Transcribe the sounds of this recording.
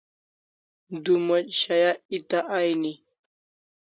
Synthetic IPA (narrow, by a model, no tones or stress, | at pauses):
d̪umɐt͡ʃɕajait̪aʔajni